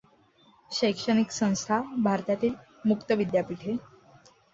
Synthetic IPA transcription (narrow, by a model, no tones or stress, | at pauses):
ɕəjkʂəɽ̃iksə̃w̃st̪ʰabʱaɾt̪at̪iːl | mukt̪əʋid̪japiʈʰe